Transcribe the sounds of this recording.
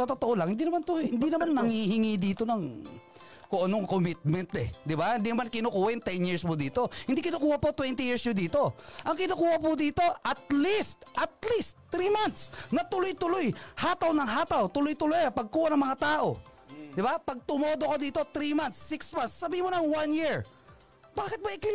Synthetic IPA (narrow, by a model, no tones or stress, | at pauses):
sɐt̪ot̪oʔolɐŋhɪnd̪iːnɐmant̪ʊjhɪnd̪inɐmanːɐŋhihɪŋid̪iːt̪o̞nɐŋ | koʔɐnoŋkomɪt̪̚mɛnt̪ɛ̰d̪ɪbahɪnd̪iːnɐmankɪnukuːhaʔɪŋt̪ɛnjiɹsmod̪iːt̪o̞hɪnd̪ikɪnukuːhɐpot̪wɛnt̪ɪjiɹsɲʊd̪iːt̪o̞ʔɐŋkɪnukuːhɐpʊd̪iːt̪o̞ʔɐt̪̚list̪ʔɐt̪̚list̪ːɾiːmant̪snɐt̪ʊlojt̪ʊlojhaːt̪ɐwnɐŋɦaːt̪ɐwt̪ʊlojt̪ʊlojɐpɐɡ̚kuːhɐnɐŋmɐŋat̪aːʔo̞̰ | d̪ɪbapɐɡ̚t̪ʊmoːd̪okod̪iːt̪o̞t̪ɾiːmant̪sːɪksmansːɐbiːɪmʊnɐŋwanjiɹ | baːkɪt̪̚mɐjɪkli